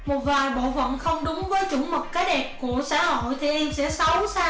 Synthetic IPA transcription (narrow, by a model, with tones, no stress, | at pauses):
mo˨˩t̚vaː˨˩jɓo̰˧˨və̰˧˨nxə˧wŋ͡mɗʊ˨˦ŋ͡mvəː˨˦jt͡ɕʊ˧˩˦mə˨˩t̚kaː˨˦jɗɛ˨˩p̚ku˧˩əsa̰ː˧˥ho̰˧˨ho̰˧˨jt̪ʰe˨˩˦ʔɛ˧nsɛ̰˧˥sə˨˦wsaː˧